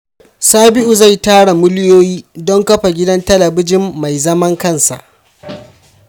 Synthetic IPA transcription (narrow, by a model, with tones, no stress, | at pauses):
saː˦bɪ˦ʔu˨za˦˨jtaː˦ɽa˨mʊ˦ljoː˦jiː˦dɔ˦ŋkɐ˦ɸa˨ɡʲɪ˦dɐ˦ntɐ˦lɐ˨bɪ˦d͡ʒɪ˦mːa˨jzɐ˦mɐ˦ŋkɐ˦˨nsa̰˨ʔ